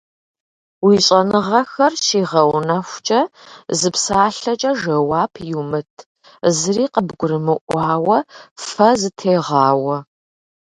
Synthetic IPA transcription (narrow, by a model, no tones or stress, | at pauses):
wiːɕʼɐnɨʁɐxɐrʃiːʁɐwnɐxʷt͡ʃʼɐzɨpsaːɬɐt͡ʃʼɐʒɐwaːpʰjumɨtʰ | zɨriːqəbɡʷʊɾɨmɨʔʷɑːwɐfɐzɨtʰeːʁɑːwɐ